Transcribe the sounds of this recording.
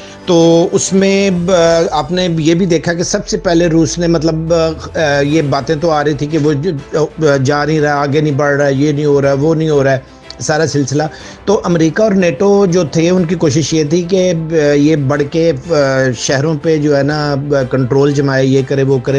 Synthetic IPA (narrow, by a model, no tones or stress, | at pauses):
t̪oːʊsmẽ | aːpnejeːbʱid̪eːkʰakesɐbsepɛɦleɾuːsnemɐt̪ləb | jeːbaːt̪ẽt̪oaːɾɐit̪ʰĩkeʋo | d͡ʒaːnĩɾɐaaːɡenĩbɐɽɾaɛjenĩɦoːɾaːɛʋonɐɦĩɦoːɾaɛː | saːɾasɪlsɪla | t̪oːʔɐmɾiːkaɔːɾneːʈod͡ʒoːt̪ʰeʊnkikoːʃɪʃjeːt̪ʰik̬ejeːbɐɽ̤ke | ʃɛɦɾõped͡ʒoːɦɛːnakɐ̃ɳʈɾoːld͡ʒɐmaːjajeːkɐɾẽʋokɐɾẽ